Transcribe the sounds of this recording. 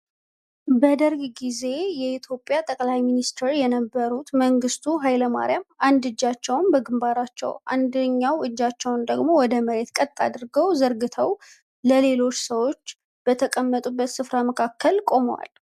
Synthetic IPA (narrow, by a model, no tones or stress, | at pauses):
bəd̪əɾɡɡize̞jɛit̪ʰjo̞pʼːjat̪ʼəkʼlajminist̪ʰeɾjɛnəbːəɾut̪məŋɡɨst̪ʰuɦajləma̰ɾijamand̪ɨd͡ʒːat͡ʃːɛwnbəɡɨmbaɾat͡ʃːɛ̰wʔa̰nd̪əɲːawʔɨd͡ʒːat͡ʃːɛwnd̪əɡmo̞wɔd̪əməɾe̞t̪kʼət̪ʼːa̰d̪ɨɾɡəwzəɾɡɨt̪ʰəw | ləle̞lo̞t͡ʃːsəwo̞t͡ʃː | b̥ət̪ʰəkʼəmːət̪ʼubːət̪sɨfɾaməkʰakːəlkʼo̞mwa̰l